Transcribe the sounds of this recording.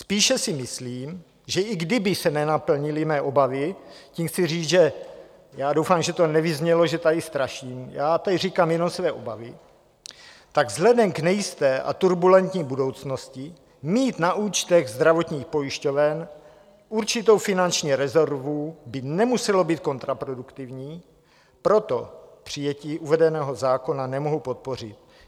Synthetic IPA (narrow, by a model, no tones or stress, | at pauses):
spiːʃɛsɪmɪsliːm | ʒɛʔɪɡdɪbɪsɛnɛnapl̩ɲɪlɪmɛːʔobavɪciːmxt͡sɪriːd͡zʒɛ | jaːdowfaːmʒɛt̪onɛvɪzɲɛloʒɛt̪adɪst̪ɾaʃiːmjaːt̪adɪriːkaːmjɛno̞msvɛːʔo̞bavɪ | t̪aɡvzlɛdɛmɡnɛjɪst̪ɛːʔa̰t̪uɾbulɛnt̪ɲiːbudo̞wt͡sno̞scɪ | miːt̪naʔuːt͡ʃt̪ɛɣzd̪ɾavo̞t̪ɲiːxpo̞jɪʃco̞vɛn | uɾt͡ʃɪt̪o̞wfɪnant͡ʃɲiːɾɛzoɾvubɪnɛmusɛlo̞biːt̪̚ko̞nt̪ɾapɾo̞dukt̪ɪvɲiː | pɾo̞t̪o̞pr̝̥ɪjɛciːʔuvɛdɛnɛːɦo̞zaːko̞nanɛmoɦowpot̪̚po̞rɪt̪̚